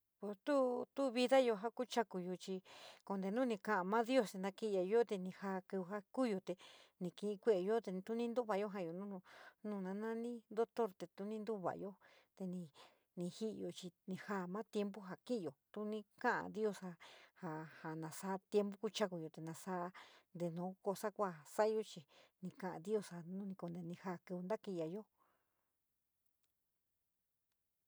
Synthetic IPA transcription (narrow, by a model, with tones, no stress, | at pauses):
po˧˨st̪u˦t̪u˦βi˧ða˦jo˧ɦa˦ku˦t͡ʃa˦ku˧jo˧t͡ʃi˧ko˧nd̪e˧nũ˦nĩ˧kã˧ʔã˧mã˦ðjo˦˨se˧nd̪ã˧kĩ˦˧ja˧˨˧jo˦t̪e˧nĩ˧ha˧ku˧ɦa˦ku˦jo˧t̪e˨nĩ˧kĩ˧ʔĩ˧kʷe˦˧ʔjo˦t̪e˧t̪u˦nĩ˦nd̪u˦βa˧˨jo˦ɦa˧˨jo˨nũ˦nũ˧nũː˧˨nã˧nã˦nĩ˦nd̪o˦t̪o˦ɾt̪e˧t̪u˧˦nĩ˦nd̪u˦βa̰˨jo˦t̪e˧nĩ˧ | nĩ˧hi˦ʔjo˧t͡ʃi˧nĩ˧ha˧˨mã˦t̪je˧˦mbu˦ɦa˨ki˦ʔjo˨t̪u˧˦nĩ˦kã˦ʔã̰˧˨d̪i˦o˧sa˧ha˨ha˨nã˨sa˧˦t̪je˧˦mbu˦ku˧t͡ʃa˦ku˧jo˨˧t̪e˨nã˧sa˦˧nd̪e˧nõː˨˦ko˧sa˦kʷa˧sa˦ʔjo˧t͡ʃi˧nĩ˧kã˧˨ʔã̰˨d̪i˦o˧sa˧nũ˦nĩ˧ko˧nd̪e˧nĩ˧ha˦˧˨kɨ˧u˧nd̪a˦ki˧ja˨˧jo˦